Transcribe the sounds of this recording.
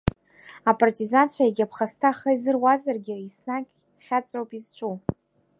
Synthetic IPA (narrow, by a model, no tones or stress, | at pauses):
apʼartʼizant͡ɕʷʰajeɡʲapʰχastʰaχəizɨrwazarɡʲiisnakʲʼ | χʲat͡sʷʼowpʼizt͡ʃʷʼu